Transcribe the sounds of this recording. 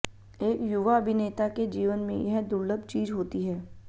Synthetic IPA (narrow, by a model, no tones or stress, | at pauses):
eːkjʊʋaɐbʱɪneːt̪aked͡ʒiːʋənmḛ̃jɐɦd̪ʊɾləb̚t͡ʃiːzɦoːt̪iɦɛː